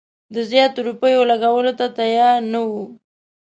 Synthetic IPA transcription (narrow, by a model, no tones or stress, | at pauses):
d̪əzjɑt̪oɾupəjolaɡawəlot̪at̪ajɑɾnawu